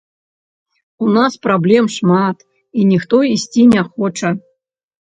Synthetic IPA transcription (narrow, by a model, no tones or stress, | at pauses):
unaspɾablʲɛmʂmat̪ | inʲixt̪ɔisʲt͡sʲinʲaxɔt͡ʂɐ